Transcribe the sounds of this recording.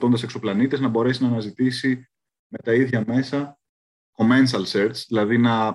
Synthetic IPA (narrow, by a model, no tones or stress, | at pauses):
t̪o̞nd̪ɐse̞kso̞plɐnit̪eznɐbo̞ɾe̞sinɐːnɐzit̪isi | me̞t̪ɐiðʝɐme̞sɐ | ko̞me̞nsɐlseɾsðilɐðinɐ